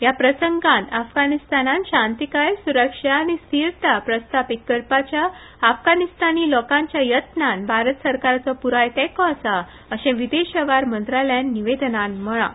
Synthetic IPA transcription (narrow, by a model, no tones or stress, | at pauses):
japɾəsəŋɡãnt̪afɡanist̪anãnɕãnt̪ikajsuɾəkʂaːñist̪iɾt̪apɾəst̪ʰapit̪̚kəɾpat͡ɕjaː | fɡanist̪aniːlɔkãɲt͡ɕjajət̪nãnbʱaɾət̪səɾkaɾt͡sɔpuɾajt̪ɛkɔsa | əɕẽʋid̪eɕəʋaɾmənt̪ɾaljanːiʋed̪nãnm̤əɭã̰